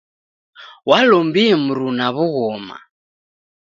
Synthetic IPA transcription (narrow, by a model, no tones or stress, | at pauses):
walɔmbiɛm̩ɾunaβuɣɔma̰